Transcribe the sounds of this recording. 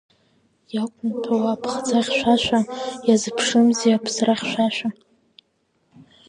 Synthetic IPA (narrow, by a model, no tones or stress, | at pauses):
jakʷʼʊnpʰawapʰχd͡zaʁʲʃʷaʃʷanjazɨpʰʂɨmzeapʰsraχʲʃᶣʷaʃʷᶣa